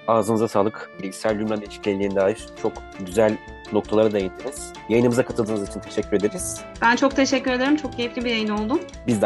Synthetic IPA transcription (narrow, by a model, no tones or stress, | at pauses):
aːzɯnɯzasaːlˠɯklʲisælʲd̪ʲymmænd̪et͡ʃʰi̥cʰɛlʲiind̪aːiɾt͡ʃʰo̞k | ɟyzælʲ | no̞kt̪ʰalˠaɾad̪ajajɯnd̪ʰiniz̥ | jajɯnɯmɯzakʰat̪ʰɯlˠɯːnɯzit͡ʃʰint̪ʰe̞ʃɛcːyɾe̞d̪eɾiz̥ | b̥ænt͡ʃʰo̞k̚t̪ʰe̞ʃɛcʰːyɾed̪eɾimt͡ʃʰo̞k̚ɟʰejiflʲibijajɯno̞lˠd̪ʊm | bizd̪